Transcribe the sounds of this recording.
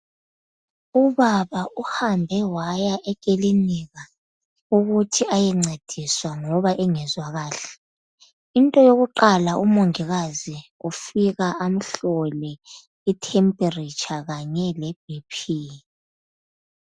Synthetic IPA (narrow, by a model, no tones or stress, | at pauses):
uβaβaʔuhambʱɛwajaʔɛkʼeliniɣa | uɣutʰiajɛŋ͡ǀed̥ʱiswaŋɔβaʔɛŋɛzwaɣaːɬɛ̥ | intʼɔjoɣuǃalaumoŋiɣaziufiɣaʔam̩ɬɔlɛ | itʰɛmpʼerit͡ʃʰʼaɣaɲɛlɛb̥̚ʱipʰi